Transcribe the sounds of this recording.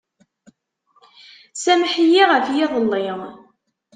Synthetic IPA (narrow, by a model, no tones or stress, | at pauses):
sæmħjɪʁəfjɪðˤəlːɪʁ